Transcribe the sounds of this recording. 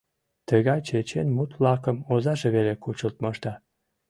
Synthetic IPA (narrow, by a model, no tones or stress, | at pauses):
t̪əɣɑjt͡ɕet͡ɕenmut̪vlɑkəmozɑʒeβelekut͡ɕəlt̪məʃt̪ɑ